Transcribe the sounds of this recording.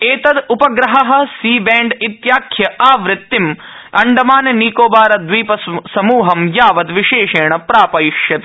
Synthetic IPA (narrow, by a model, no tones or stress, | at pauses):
eːt̪ɐd̪upɐɡɾɐɦɐɦɐ̆siːbɛːɳɖit̪jaːkʰjɐʔaːʋɾɪt̪ːim | ɐɳɖɐmaːnɐniːkoːbaːɾɐd̪ʋiːpɐsɐmuːɦɐmjaːʋɐd̪ʋiʃeːʂeːɳɐpɾaːpɐjʃjɐt̪i